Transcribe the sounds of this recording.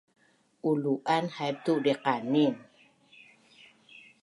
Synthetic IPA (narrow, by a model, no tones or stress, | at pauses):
uluʔanhajp̚t̪uʔdɛqanin